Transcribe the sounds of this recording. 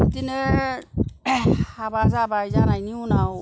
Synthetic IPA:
tinə | abazabazanainĩuna

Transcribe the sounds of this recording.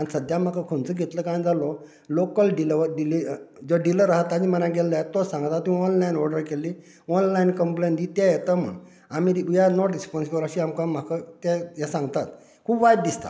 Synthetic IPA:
ansəd̪jam̤akakʰont͡səɡʱet̪ləkãj̃d͡zalɔ | lokəlɖiləʋəɖilid͡zɔɖiləɾaɦat̪ːad͡ʑimənãɡelət̪ːɔsãŋɡt̪at̪ːĩɔnlajnɔɾɖəɾkelːi | ɔnlainkəmplend̪it̪jajet̪əm̤ə̰ɳ | amiɾjanɔʈɾispɔnsikəɾaɕiamkãm̤akət̪ajasãŋɡt̪at̪ | kʰuːbʋajd̪̚d̪ist̪a̰

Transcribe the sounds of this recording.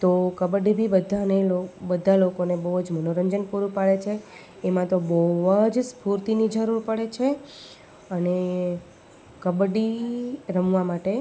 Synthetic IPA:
t̪okəbɖibʱibəd̪ʱanelobəd̪ʱːalokonebəɦd͡ʒmənoɾəɲd͡ʒənpuɾupaɭet͡ʃʰeː | mãt̪obəʋəd͡ʒspuɾt̪inid͡ʒəɾuɾpəɽet͡ʃʰe | əne | kəbɖiɾəmʋamaʈe

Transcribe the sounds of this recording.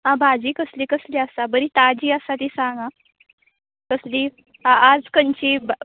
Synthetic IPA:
ɦãbʱad͡ʑiːkəsliːkəsliəsabəɾit̪ad͡ʑiːəsat̪isãŋɡã | kəsli | ad͡zkəɲt͡ɕib

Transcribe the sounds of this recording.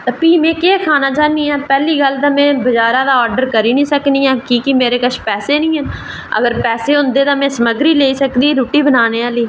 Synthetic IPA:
t̪aːpiːmẽːkeːkʰaːnaːt͡ʃaːniːɦɛːpɛːliːɡəld̪ãːmɛ̃ːbəd͡ʒaːɾaːd̪aːɔːɾɖəɾkəɾiːnĩːsəkniːɛːkiːkimeːɾeːkəʃʰpɛːseːnĩːɦɛn | ə̰ɡəɾpɛːseːɦʊ̃nd̪eːt̪ãːmɛ̃ːsəməɡɾiːleːiːsəkd̪iːɾuːʈiːbənaːneːaːliː

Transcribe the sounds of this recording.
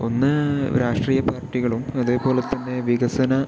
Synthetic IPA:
o̞nːɨɾaːʂʈriːjɐpaːrʈːiɣɐɭumɐðeːpo̞ːle̞t̪ːɐnːe̞ʋiɣɐsɐnɐ

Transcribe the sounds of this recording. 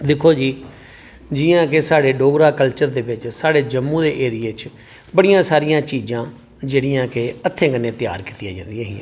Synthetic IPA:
d̪ɪkʰːoːd͡ʒiː | d͡ʒɪːãːkesaːɽeːɖoːɡɾaːkəlt͡ʃəɾd̪eːbɪt͡ʃsaːɽeːd͡ʒəmːũːd̪eːʔeːɾijeːt͡ʃ | bəɽijãːsaːɾijãːt͡ʃiːd͡ʒãː | d͡ʒeːɽijãːkeət̪ʰːẽːkənːẽːt̪ɪja̰ːɾkiːt̪ɪja̰ːd͡ʒã̰ːnd̪ijaːɦḭ̃ː

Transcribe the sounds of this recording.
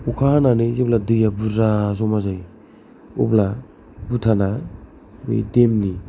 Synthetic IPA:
ukʰaananɯzebladɯjabuɾazɔmazaj | ṵbla | butʰana | bɯ̰jdemni

